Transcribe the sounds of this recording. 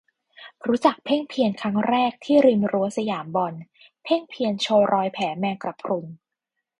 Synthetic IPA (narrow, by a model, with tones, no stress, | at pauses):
ɾuː˦˥t͡ɕa˨˩k̚pʰe˥˩ŋpʰi˧ənkʰa˦˥ŋɾɛː˥˩k̚t̪ʰiː˥˩ɾi˧mɾu˦˥ɐsa˧jaː˩˦mbɔ˧n | pʰe˥˩ŋpʰi˧ənt͡ɕʰoː˧ɾɔː˧jpʰɛː˩˦mɛː˧kɾa˨˩pʰɾu˧n